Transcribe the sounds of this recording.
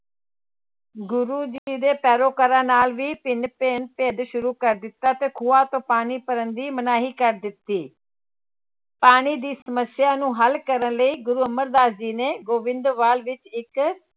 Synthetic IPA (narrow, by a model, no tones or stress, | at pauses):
ɡʊɾuːd͡ʒiːd̪eːpɛːɾoːkəɾãːnaːlʋiːpɪnpeːnpeːd̪ʃʊɾuːkəɾd̪ɪt̪ːaːt̪eːkʰuːaːt̪õːpaːniːpəɾənd̪iːmənaːɦiːkəɾd̪ɪt̪ːiː | paːɳiːd̪iːsəməsɪjaːnũːɦəlkəɾənləiːɡʊɾuːəməɾd̪aːsd͡ʒiːneːɡoːʋɪ̃nd̪ʋaːlʋɪt͡ʃɪk